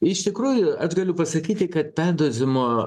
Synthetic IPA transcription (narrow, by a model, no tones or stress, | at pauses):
ɪʃt̪ʲɪkɾuːjʊɐʒɡɐlʲʊpɐsɐkʲiːt̪ʲɪkɐt̪̚pʲæːd̪oːzʲɪmoː